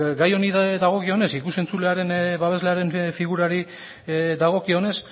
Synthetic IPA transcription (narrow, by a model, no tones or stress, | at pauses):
ɡajo̞niððaɣ̞o̞kio̞ne̞sikuse̞nt͡sule̞aɾe̞nβaβ̞e̞zleaɾe̞nfiɣuɾaɾi | ðaɣ̞o̞kio̞ne̞s